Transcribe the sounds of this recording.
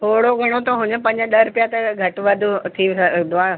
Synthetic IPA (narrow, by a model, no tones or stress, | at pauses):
t̪ʰoːɽoɡʱɐɽ̃ot̪ʰoɦʊ̃ɲəpɐ̃ɲd͡ʑɗɐɾʊpijat̪ɐɡʱɐʈʋɐd̪ʱut̪ʰiʋsd̪ʊaː